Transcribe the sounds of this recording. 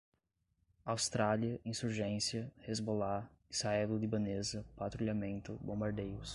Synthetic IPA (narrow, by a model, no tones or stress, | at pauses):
awst̪ɾaliɐĩsuɾʒẽsiɐhezbolaɪsaɛllʊlibɐnezɐpat̪ɾuʎamẽnt̪ʊbõbaɾd̪ejʊs